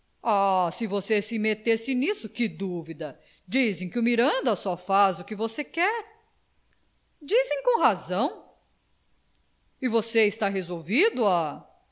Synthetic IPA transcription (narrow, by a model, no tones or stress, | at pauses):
asɪvosesɪmet̪esɪẽnisʊkɪd̪uvid̪ɐ | d͡ʒizẽj̃kɪʊmiɾɐ̃nd̪ɐsɔfazʊkɪvosekɛɾ | d͡ʒizẽj̃kõw̃ɦazɐ̃w̃ | ɪvoseɪst̪aɦezowvid̪ʊa